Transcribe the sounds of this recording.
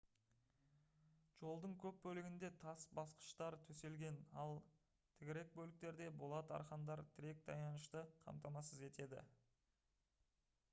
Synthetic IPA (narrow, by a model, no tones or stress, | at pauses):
ʒ̥o̞lˠd̪əɴkʲʰɵp̚bɵlɪɡʲɪnd̪e̞t̪ʰɑsbɑsqə̥ʃt̪ɑɾt̪ʰɵse̞lɡʲe̞nɑlˠ | t̪ʰɪɡʲɪɾe̞k̚bɵlɪk̚t̪e̞ɾd̪e̞bo̞lˠɑt̪ɑ̰ɾχɑnd̪ɑɾt̪ʰɪɾe̞k̚d̪ɑ̰jnɑnəʃt̪əqʰɑ̰mt̪ɑmɑsəze̞t̪e̞d̪ɪ̰